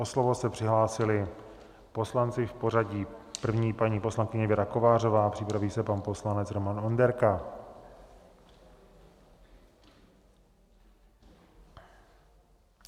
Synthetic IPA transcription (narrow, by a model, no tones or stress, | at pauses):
oslovosɛpr̝̥ɪɦlaːsɪlɪ | po̞slant͡sɪfpo̞r̝aɟiːpr̩vɲiːpaɲiːpo̞slaŋkɪɲɛvɪɾako̞vaːr̝o̞vaːpr̝̥ɪpɾaviːsɛpanpo̞slanɛt͡sɾo̞mano̞ndɛɾka